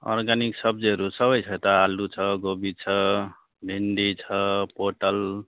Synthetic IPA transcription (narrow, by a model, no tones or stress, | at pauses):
ɔ̰ɾɡaniksʌb̚d͡ʒeɾusʌβʌjt͡ʃʰʌjt̪ʌalut͡ʃʰʌɡobit͡ʃʰʌ | bʱinɖ̪it͡ʃʰʌpoʈəl